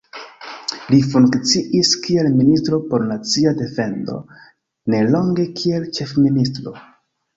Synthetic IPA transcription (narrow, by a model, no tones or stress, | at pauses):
lifuŋkt͡siʔiskie̞lministɾo̞po̞ɾnat͡siade̞fe̞ndo̞̰ | ne̞lo̞ŋɡe̞kʰie̞lt͡ʃe̞fministɾo̞̰